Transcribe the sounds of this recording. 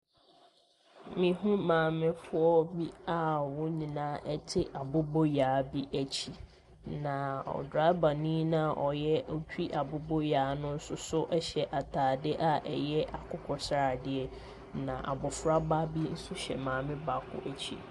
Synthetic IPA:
mĩ˨ɦũ˦mãː˨mɪ̃˦fʊ˦ɔ˦bi˦a˨wʊ̃˦ɲĩ˨nãː˦ʔɛ˦tʰɪ˦ʔa˨bʊ˦bo˦jaː˨bi˦ʔæ˦t͡ɕʰi˦ | nã˨ɔ̰˨dɾa˦ba˨nĩ˦nã˦ʔɔ˨jɛ˦ɔ˦tᶣi˦ʔa˨bʊ˦bo˦jaː˨˦nʊ̃˦n̩˦sʊ˦sʊ˦ʔɛ˦ɕɛ˨ʔa˨tʰaː˨dɪ˦ʔa˨ʔɛ˨jɛ˦ʔa˨kʰʊ˦kʰɔ˦sa˨dɪ˦ɛ˦ | nã˨ʔa̰˨bʊ˨fɾa˦ba˦bi˦n̩˦sʊ˦ɕɛ̰˨mãː˨mɪ̃˦ba˨kʰʊ̰˦ʔæ˨t͡ɕʰḭ˦

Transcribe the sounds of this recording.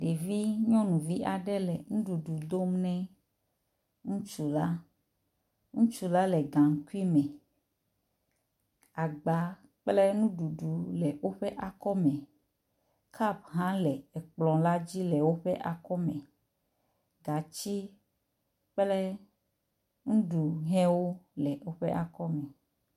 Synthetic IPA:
ɖe˨vi˦ɲɔ̃˦nũ˨vi˦ʔa˨ɖɛ˦lɛ˨ŋũ˦ɖu˨ɖu˨d̪o˦mnɛ̃˦ | ŋũ˦t͡ʃu˨la˦ | ŋũ˦t͡ʃu˨la˦lɛ˨ɡã˨ŋ˦ku˦i˦mɛ̃˨ | a˨ɡ͡ba˨˦ | k͡plɛ˦nũ˦ɖu˨ɖu˨lɛ˨wo˦ɸɛ˦ʔa˨kɔ˦mɛ̃˨ | kʰa˦˨bɦã˦lɛ˨ɛ˨k͡plɔ̃˨la˦d͡ʑi˦lɛ˨wo˦ɸɛ˦ʔa˨kɔ˦mɛ̃˨ | ɡa˨t͡ɕi˦ | k͡plɛ˦ | ŋũ˦ɖu˨ɦɛ̃˦wo˦lɛ˨wo˦ɸḛ˦ʔa˨kɔ˦mɛ̃˨

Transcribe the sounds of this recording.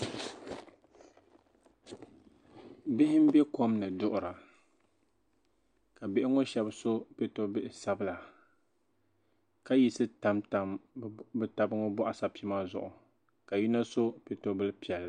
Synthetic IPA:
bɪ˦hɪ˦m˦bɛ˦ko˦mnɨ˨dʊ˦ʔʊ˨ɾa˨ | ka˨bɪ˦ʔɪ˦ŋo˦ʃɛ˦bso˦pe˨to˦bɪ˦ʔɪ˨sa˨bɨ˦la˨ | ka˦ji˨sɨ˦ta˦mta˨mbɨ˦ta˨bɨ˦ŋo˦bɔ˦ʔa˦sa˨pi˦ma˦zʊ̰˨ʔʊ˨ | ka˨ji˦na˦so˦pe˨to˦bɨ˦lpi˨ɛ˨lːa˨

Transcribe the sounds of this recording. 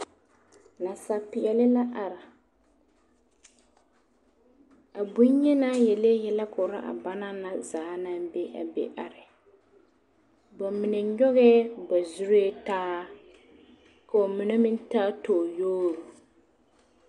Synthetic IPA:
na˨sa˨pɪ˨ɛ˨lɪ˦la˦ʔa˨ɾa˨ | a˨bu˦ɲ˦ɲɛ˦na˦jɛ˨le˦jɛ˦la˦kʊ˨ɾa˦ʔa̰˨ba˦na˦na˨zaː˨˦na˦be˦ʔa̰˨bḛ˦ʔa˨ɾɪ˨ | ba˨mɪ˨nɛ˨ɲɔ˦ɣɛ˦ba˨zu˦ɾe˦taː˦ | ka˨o˨mɪ˨ne˦mɪ˦n˦taː˦toː˨joː˦ɾu˨

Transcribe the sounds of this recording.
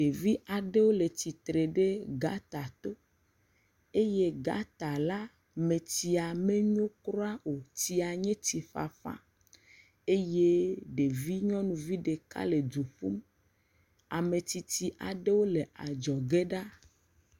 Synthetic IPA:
ɖe˨vi˦ʔa˨ɖe˦wo˦le˨ti˨t̪ɾe˨ɖe˦ɡa˦t̪a˨t̪o˦ | e˦je˦ɡa̰˦t̪a˨la˦ | mẽ˨t̪i˨a˨mẽ˦ɲõ˦kɾo˦a˦o˨ti˦a˨ɲẽ˦t̪i˨ɸa̰˨fa̰˦ | e˦je˦ɖe˨vi˦ɲɔ̃˦nũ˨vi˦ɖe˨ka̰˦le˨d̪u˨ɸu˦m | a˨me˨t̪i˨t̪i˨ʔa˨ɖe˦wo˦le˨a˨d͡ʒɔ˨ɡe˦ɖa˦

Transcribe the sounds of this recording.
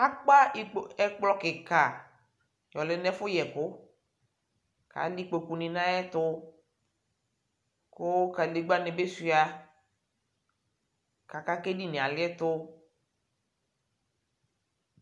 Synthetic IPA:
a˦k͡pa˦ɪ˨k͡pɛ˦k͡plɔ˦kɪ˨ka˨ | jɔ˨lɛ˨˦nɛ˦fʊ˦jɛ˨kʊ˦ | ka̰˨˦li˦k͡po˨ku˨nĩ˨nã˦ɛ˦t̪ʊ˦ | kʊ˦ka˨le˨ɡ͡ba˦nɛ˨be˦si˨a˨ | ka˨ka˨ke˦di˦nĩ˨a˨lɪ˦ɛ˦t̪ʊ˦

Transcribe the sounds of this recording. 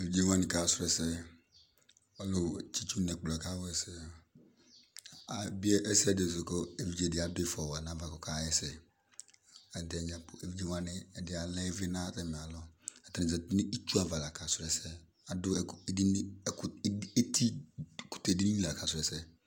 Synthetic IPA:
e˨vi˦d͡ʒe˦wa˦nɪ˨ka˨sʊ˦ɾɛ˨sɛ˦ | ɔ˦lo˨t͡ʃi˦t͡ʃu˦nɛ˨k͡pla˨ka˦wɛ˨sɛ˦ | a˨bɪ˦ɛ˦ʔɛ˦sɛ˦˨dɪ˨zʊ˨ko˦e˨vi˦d͡ʒe˨dɪ˨˦a˨˦dʊ˦ɪ˦fɔ˨wa˨nã˦va˨kɔ˨ka˦ɛ˦sɛ˨ | ɛ˨n˨tɛ˨˦ɲa˨pʊ˨e˨vi˦d͡ʒe˦wa˦nɪ˦ɛ˨dɪ˦a˨lɛ˦vɪ˦nã˦tɛ˦˨mɛ˨a˨lɔ˦a˨ta˦nɪ˨zɛ˨tnɪ˦i˦t͡ʃu˦a˨va˨la˨ka˨sʊ˦ɾɛ˨sɛ˦ | a˨dʊ˦˨˦di˦n˦˨˦e˦tʰi˦˨kʊ̥˨te˨di˦nĩ˦la˨ka˨sʊ˨ɾɛ˨sɛ˦

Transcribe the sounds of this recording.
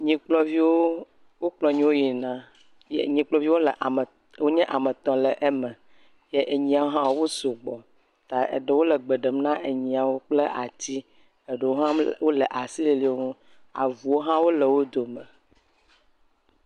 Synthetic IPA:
ɲĩ˨k͡plɔ˦vi˦wo˦ | wo˦k͡plɔ˨ɲĩ˦wo˦ji˨nã˦ | jḛ˦ɲĩ˨k͡plɔ˨˦vi˦wo˦lə˨ʔ | wo˦ɲɛ̃˦ʔa˨mə˨t̪ɔ̃˨lɛ˨ʔe˦mɛ̃˨ | je˦ʔe˨ɲĩ˨a˨wo˦ɦã˦wo˦wo˦so˨ɡ͡bɔ˨ | t̪a˨ḛ˨ɖə˨wo˦lə˨ɡ͡be˨ɖə˨mnã˦ʔe˨ɲĩ˨a˨wo˦k͡plə˦ʔa˨t̪i˦ | e˨ɖə˨wo˦ɦã˦wo˦le˨ʔa˨si˦li˦li˦o˦ŋũ˦ | a̰˨vu˨wo˦ɦã˦wo˦lə˨wo˦d̪o˨mə˨

